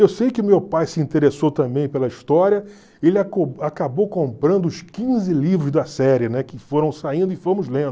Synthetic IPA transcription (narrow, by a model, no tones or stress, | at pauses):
ewsejkɪʊmewpajsɪĩnt̪eɾesowt̪ɐ̃mbẽj̃pelɐiʃt̪ɔɾiɐ | elɪakoakabowkõpɾɐ̃nd̪ʊʊskĩzɪlivɾʊzd̪ɐsɛɾɪnɛkɪfoɾɐ̃w̃saĩnd̪ʊɪfõmʊzlẽn